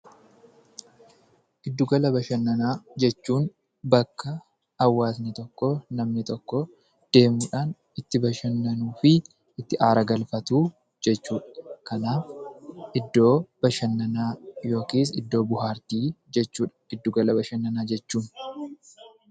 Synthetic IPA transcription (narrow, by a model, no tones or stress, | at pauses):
ʔɪd̪ːʊɡɐlɐbɐʃɐnːɐnaːd͡ʒɛt͡ʃːuːn | bɐkːɐ | ɐwːaːs̬nɪt̪ɔkːoːnɐmnɪt̪ɔkːɔ | d̪̥e̞ːmuːᶑaːn | ɪt̪ːɪbɐʃɐnːɐnuːfɪ | ʔɪt̪ːɪʔaːɾɐɡɐlfɐt̪uː | d͡ʒɛt͡ʃːuːᶑɐkʰɐnaːfʔɪd̪ːo̞ːb̥ɐʃɐnːɐnaːjo̞ːkiːs̬ɪd̪ːo̞ːbʊɦaːɾt̪iːd͡ʒɛt͡ʃːuːᶑɐ̥ɪd̪ːʊɡɐlɐbɐʃɐnːɐnaːd͡ʒɛt͡ʃːuːn